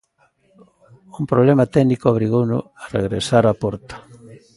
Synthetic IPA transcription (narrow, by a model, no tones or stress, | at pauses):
umpɾoβlemat̪ɛɣnikooβ̞ɾiɣownʊarḛɣɾḛsaɾapɔɾt̪ḁ